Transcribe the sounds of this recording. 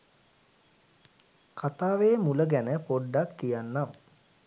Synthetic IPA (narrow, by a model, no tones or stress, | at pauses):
kʰat̪aːʋeːmuləɡænəpoɖːakːijanːam